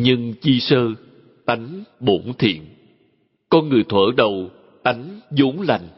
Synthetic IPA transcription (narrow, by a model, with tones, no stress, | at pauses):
ɲɨ˧ŋt͡ɕi˧səː˧ | t̪a˨˦jŋ̟ɓo˧˩ŋ͡mt̪ʰḭ˧˨ən | kɔ˧nŋɨ˨˩əjt̪ʰwə̰ː˧˥ɗə˨˩w | t̪a˨˦jŋ̟zu˨˦ŋ͡mla˨˩jŋ̟